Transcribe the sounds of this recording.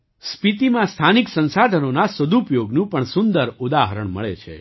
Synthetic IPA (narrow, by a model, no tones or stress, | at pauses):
spit̪imãst̪ʰaniksə̃nsad̪ʱənonasəd̪upjoɡnũpəɳsʊnd̪əɾud̪aɦəɾəɳmə̰ɭḛt͡ʃʰḛ